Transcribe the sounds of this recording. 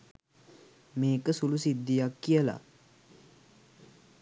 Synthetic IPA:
meːkəsulusid̪ːijakːijəla̰

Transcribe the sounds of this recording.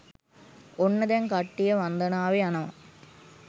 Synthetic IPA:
onːɐd̪ɐnkɐʈːijɐʋɐnd̪ɐnaːʋeɐnɐʋɐ̰

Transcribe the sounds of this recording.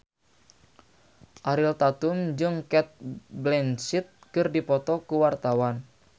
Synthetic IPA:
ʔaɾilt̪at̪umd͡ʒɨŋkɛt̪̚blɛnsit̪̚kɨrdipɔt̪ɔkuwart̪awan

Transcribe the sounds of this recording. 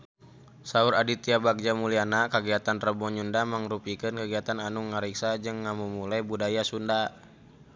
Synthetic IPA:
sauɾadit̪iabak̚d͡ʒamulianakaɡiat̪ant̪rəbɔɲundamaŋɾupikɨnkaɡiat̪ananuŋːaɾiksad͡ʒɨŋːamumulajbudajasunda

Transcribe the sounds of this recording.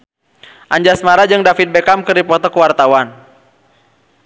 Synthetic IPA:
ʔaɲd͡ʒasmaɾad͡ʒɨŋdafit̪̚bɛkamkɨɾipɔt̪ɔkəwart̪awan

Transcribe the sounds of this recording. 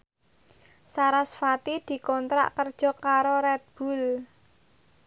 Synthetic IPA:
saɾasfat̪id̪̥i̤kɔnt̪ɾa̰ʔkərd̥ʒ̥ɔ̤kaɾoɾɛt̪̚b̥ṳl

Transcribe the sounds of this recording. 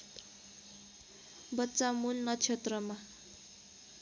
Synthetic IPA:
bʌtːt͡samulnʌt͡ʃʰet̪ɾʌma

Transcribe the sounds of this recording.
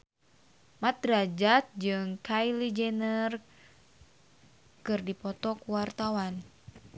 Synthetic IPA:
mat̪̚ɾad͡ʒat̪̚d͡ʒɨŋkajlid͡ʒɛnər | kɨrdipɔt̪ɔkuwart̪awan

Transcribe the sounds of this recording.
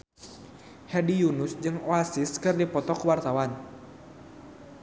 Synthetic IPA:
hɛdijunʊsd͡ʒɨŋoasiskɨrdipɔt̪ɔkəwart̪awan

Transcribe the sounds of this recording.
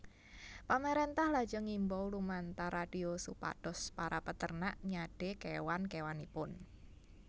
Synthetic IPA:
paməɾent̪ahlḁd͡ʒɔŋimbɔwlumant̪aɾaɖ̥iosupa̰d̥ɔspaɾʔapət̪ərnaʔɲaɖ̥e̤kewankewanipʊn

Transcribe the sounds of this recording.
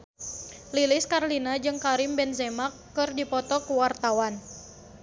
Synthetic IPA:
lilɪskarlinad͡ʒɨŋkaɾimbɛnzɛmakːɨrdipɔt̪ɔkuwart̪awan

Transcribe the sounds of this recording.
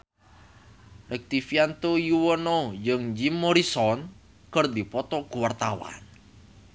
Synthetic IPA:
rʔɛk̚t̪ifiant̪ojuwənɔd͡ʒɨŋd͡ʒimːoɾisɔn | kərd̪ipɔt̪ɔɡ̥uwart̪awa̰n

